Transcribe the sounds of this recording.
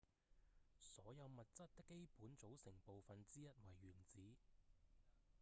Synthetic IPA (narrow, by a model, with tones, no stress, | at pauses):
sɔː˨˥jɐ˨˧wmɐ˨t̚t͡sɐ˥t̚t̪ɪ˥kːe˥jpuː˨˥nt͡so˨˥wsɪ˨˩ŋpo˨wfɐ˨nt͡siː˥jɐ˥t̚wɐ˨˩jɥyː˨˩nt͡siː˨˥